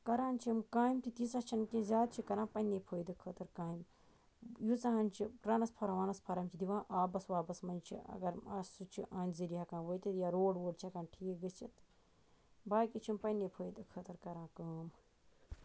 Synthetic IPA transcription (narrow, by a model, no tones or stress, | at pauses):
kɐɾaːnt͡ʃʰimkaːjmt̪it̪isɐt͡ʃʰɐnkẽːzʲaːd̪̚t͡ʃʰikɐɾãːpɐnepʰoːjd̪ɨkʰət̪ɐɾkaːjim | jut͡sɐɦɐnʲt͡ʃʰiɾɐnɐspʰɐɾɐʋaːnɐspʰɐɾɐmt͡ʃʰid̪iʋãːʔaːbɐsʋaːbɐsmɐnt͡ʃʰḭɐ̰ɡɐɾɐssut͡ʃʰiʔaːnʲziɾiɦɐkãːʋəjt̪it̪jaɾoːɖwoːɖt͡ʃʰɐkaːnʈʰiːkɡɐt͡ʃʰit̪ | baːkit͡ʃʰimpɐnepʰojd̪ɨkʰət̪ɐɾkɐɾãːkaːm